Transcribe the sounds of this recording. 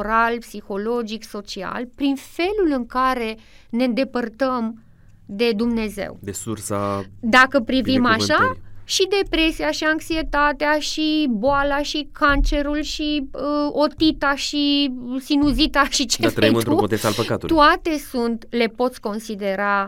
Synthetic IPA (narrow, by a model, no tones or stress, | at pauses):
ɾalpsixo̞lo̞d͡ʒikso̞t͡ʃia̰lpɾinfe̞lulɨŋkaɾe̞ne̞ɨnd̪e̞pərt̪əm | d̪e̞d̪umne̞zḛwd̪esursad̪akəpɾivimaaʃaʃid̪e̞pɾe̞siaʃiaŋksie̞t̪at̪eaʃiboalaʃikʰant͡ʃe̞ɾulʃiəo̞t̪it̪aʃisinuzit̪aʃit͡ʃeafeimnt̪ɾuot̪est̪alpəkat̪ṵt̪uat̪e̞sunt̪le̞po̞t̪sʲko̞nsid̪e̞ɾa